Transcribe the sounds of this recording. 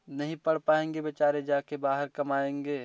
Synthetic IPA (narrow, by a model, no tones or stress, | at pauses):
nɐɦĩpəɽ̤paːẽːŋɡebət͡ʃaːɾed͡ʒaːkebaːɦəɾkɐmaːẽːŋɡeː